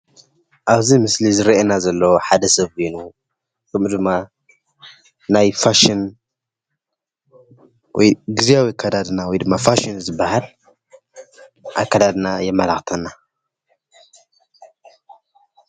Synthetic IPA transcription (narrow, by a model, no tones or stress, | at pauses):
ʔaβzimɨslizɨɾʔenazɐlːoħad̪ɐsɐβinu | kʰɐmd̪ɨmːa | najfaʃin | wɔjɡɨzijawikʰad̪ad̪nawɔjd̪ɨmːafaʃinzɨbːahal | ʔa̰jkʰad̪ad̪najɛmːɐlaxt̪ʰɐnːa